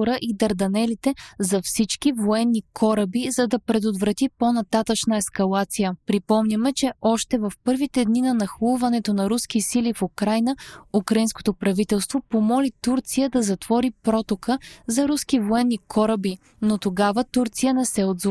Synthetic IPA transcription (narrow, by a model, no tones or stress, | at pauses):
ɾəʔid̪ɐɾd̪ɐnɛlit̪ɛzɐfsit͡ʃkivoɛnːikʰɔɾɐbizɐd̪ɐpɾɛd̪ot̪vɾɐt̪iponɐt̪at̪ət͡ʃnəɛskɐlˠat̪sijəpɾipɔmnʲɐmɛt͡ʃɛʔɔʃt̪ɛvɐfpɤɾvit̪ɛd̪ninɐnɐxulˠvɐnɛt̪onɐɾusk̟isilifukɾajnəukɾɐinsko̥t̪opɾɐvit̪ɛlˠst̪vopomɔlit̪uɾt̪sijəd̪ɐzɐt̪v̥ɔɾipɾɔt̪okʰəzɐɾuskivoɛnːikʰɔɾəbi | not̪oɡavət̪uɾt̪sijənɛsɛod̪z